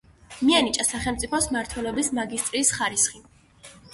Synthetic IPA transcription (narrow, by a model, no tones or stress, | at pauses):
mianit͡ʃʼasaχɛlˠmt̪sʼipʰɔsmaɾt̪ʰwɛlɔbismaɡist̪ʼɾiːsχaɾisχi